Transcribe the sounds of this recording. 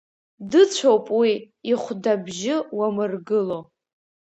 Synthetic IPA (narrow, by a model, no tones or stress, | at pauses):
dɨt͡ɕʷʰowpʼwi | iχʷdabʒɪwamɨrɡɨlo̞